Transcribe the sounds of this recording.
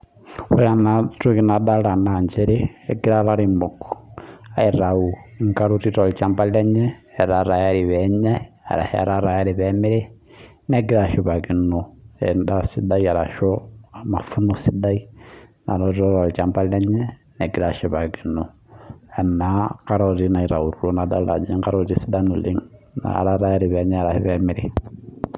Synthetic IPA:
u˦ja˨na˨tu˦ki˦na˨da˦ɾa˨na˨ɲd͡ʒɛ˦ɾi˦ɛ˨ɡi˦ɾa˦ɾa˦ɾimo˨kɔ̥ai˨ɾa˨u˨ŋka˦ɾu˦ti˦ɾɔ˨li˨t͡ʃa˦mba˦li˦ɛ˦ɲɛː˦˨ɾa˨ɾa˨jaɾi˨βɛɲɛ̰˦˨ | ɾa̰˨ha̰˦ɾa˦ɾa˨ja˦ɾi˨βɛmi˦ɾɛ˦ | nɛ˨ɡi˦ɾa˨ʃi˨βa˨ki˨nɔɛ̰nda˦si˦da˦ia˨ɾa˨ʃɔ˦a˨ma˨fu˦nɔsi˦da˦i˦na̰˨ɾɔti˦ɾɔ˦ɾɔ˨lt͡ʃa˦mpa˦llɛ˦ɲɛ˦nɛ˨ɡi˦ɾa˨ʃi˨βa˨ɡi˨nɔ˨ | ɛ˨na˨ka˦ɾɔ˨ɾi˦na˨i˨ɾa˨u˨ɾu˦ɾɔ˦na˨da˦la̰˨d͡ʒi˦ŋka˦ɾɔ˦ti˦si˦da˦nu˨li˦ŋna̰˨ɾa˦ɾa˦ja˦ɾi˨βɛ˨˦ɲɛ˦a˨ɾa˨hi˦βɛmɪ˨ɾe˨

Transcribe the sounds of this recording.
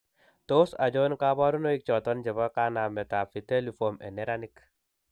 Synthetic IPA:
to˦sa̰˨d͡ʒo˦nka˦bɔ˦ɾu˦no˦ik̚t͡ʃɔ˨tɔ˦nd͡ʒɛ˨βa˦ka˦na˨mɛ˨ta˨fi˨te˦lifo˨mɛ̰˨nɛ˦ɾanik

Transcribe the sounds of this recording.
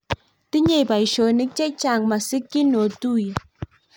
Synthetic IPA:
tɪ˦ɲe˦˨ba˨i˨ʃo˨nɪ˦k̚t͡ʃɛ˦t͡ʃa˨ŋma˨sɪ˦kːɪ˦no˨tu˦je˨

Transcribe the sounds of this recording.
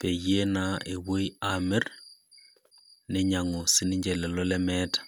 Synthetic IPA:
pe˨je˦na˨˦e˨wo˦i˦a˦me˦r | ne˦ɲa˨ŋo˨si˦ni˦ɲd͡ʒɛ˨lɛ˨lɔ˦lɛ˦mɛ˦tḁ˨

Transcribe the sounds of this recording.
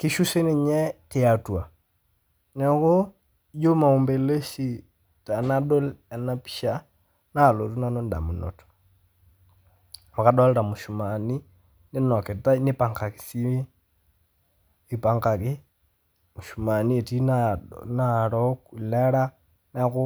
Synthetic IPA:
ki˦ʃu˦se˦ne˨ɲɛ˦te˦a˨twa˨ | nɛ˨˦ko˦ | jo˦ma˨u˨mbe˨le˦ʃi˦˨ | ta˨na˦ɗo˦la˨na˦pi̥˦ʃa˦ | na˦˨lo˨tu˦na˦no˦n˦da̰˨mu˨nɔ̰˨tɔ̥ | ma˨ka˨ɗɔ˦lɛ˦ɾa˨mo˨ʃu˨ma˨ni˦ | ne˦nɔ˨kɛ˨ta˦ne˦pa˨ŋka˨ki̥˨si˦i˦ | i˨pa˨ŋka˨ke˦ | mo˨ʃu˨ma˨ni˦e˨ti˦na˦na˦˨ɾɔ˦ku˨la˦ɾa˦ | na˦ko˦

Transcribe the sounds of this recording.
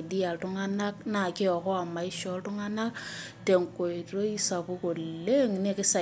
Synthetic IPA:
di˦a˨tu˦ŋa˦na˦kna˨ke˦ɔ˨kɔ˦a˨ma˨ɪ˦ʃɔ˦ltu˦ŋa˦na˦kte˨ŋko˨i˨ɾo˦i˦sa˨pu˦ko˨le˦ŋne˦kɪ˦sa˨

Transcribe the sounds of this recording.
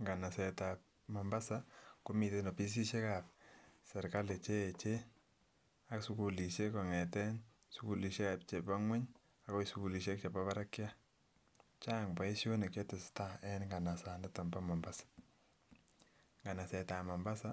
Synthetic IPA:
ŋɡa˨na˨sɛ˨tap̚ | ma˨mba˦sa˨kʊ˦mi˨te˦nɔ˨pi˦s̬i˦ʃe˦ka˨p̚sɛ˨ɾka˦le˨t͡ʃeː˦˨t͡ʃe˦ | a˦ksu˦ku˨li˨ʃe˦kɔ˨ŋɛ˨tɛ˦n | su˦ku˨li˨ʃe˦ka˨p̚t͡ʃe˨pa˦ŋwɛ˦ɲ | a˨˦kɔ˦su˨˦ku˨li˨ʃe˦k̚t͡ʃe˨pa˦βa˦ɾa˦kja˦ | t͡ʃa˦ŋba˨i˦ʃo˦ne˨ke˦tɪ˨sta˦ɛ˦nŋɡa˨na˨sa˨ndɛ˦tɔ˨mba˦mɔ˨mba˦sḁ | ŋɡa˨na˨sɛ˨ta˨ma˨mba˦sa˦

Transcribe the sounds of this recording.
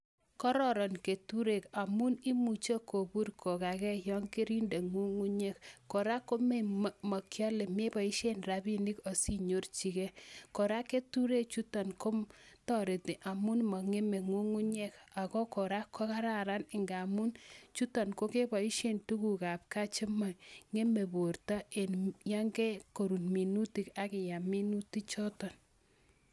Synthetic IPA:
kɔ˦ɾɔ˦˨ɾɔ˨nke˨tu˦ɾe˨ka˨mu˦ni˦mu˨t͡ʃo˦ko˨bu˦ɾkʰo˨ka˨kɛ˦jɔ˦ŋki˦ɾi˦nde˨ŋu˦ŋu˦ɲe˦kːo˨ɾa˦ko˦me˦mɔ˨kjɔ˦le˨me˦bɔ˨i˦ʃe˦nɾa˨bi˦ni˦kɔ˨si˦ɲo˦ɾt͡ʃi˨ke˦ko˨ɾa˦ke˦tu˦ɾe˦t͡ʃu˦tɔ˨nko˦mtɔ˦ɾe˨ti˨ʔa˨mu˦nmɔ˨ŋe˦me˨ŋu˦ŋu˦ɲɛ˦ka˨kɔ˦ko˨ɾa˦kʰːɔ˦ka˦ɾa˨ɾa˦nɪ˨ŋɡa˨mu˦nt͡ʃu˦tɔ˨nko˦ke˦bɔ˨i˦ʃe˦ntu˦ku˨ka˨p̚ka˦t͡ʃɪ˦ma˨ŋe˦me˨bo˨rta˦e˨nja˦ŋɡɛ˦ko˨ɾu˨nmi˨nu˦ti˨ka˦kɪ˨ja˨mi˦nu˦ti˦t͡ʃɔ˦tɔ˨n

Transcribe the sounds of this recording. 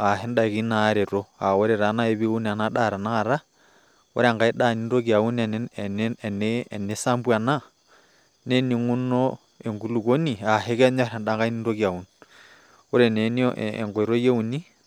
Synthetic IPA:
a˨ɦɛ˦nda˦˨ki˦na˦ɾe˨ɾo˦a˨o˦ɾe˨ɾa˨˦na˦e˦βi˦u˦n˨a˨na˦ɗa˦˨ɾa˨naː˦˨ɾa˦ | o̰˦ɾea˨ŋɡa˨e˦ɗa˦˨ni˦nɾo˦kja˨u˦nnne˨ne˦sa˦mbwa˨na˦ | ne˦niŋu˦no˦ | e˨ŋɡu˦lu˨ko˦ni˨a˨ɦe˦kɛ˦ɲa˦ɾɛ˨nda˦ŋɡa˦i˦ni˦nɾo˦kja˨u˦n | o˦ɾe˨ne˨n˦ḛŋɡo˨e˨ɾo˦je˦u˨ni˦

